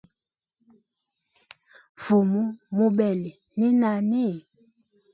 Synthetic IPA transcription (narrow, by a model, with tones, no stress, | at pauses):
fu˨mu˦mu˦bɛ˨le˨ | ni˦na˨ne˦˨